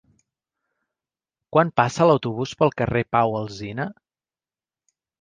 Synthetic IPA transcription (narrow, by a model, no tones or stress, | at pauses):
kwampasəːləwt̪uβuspəlˠkərepawəlˠzinə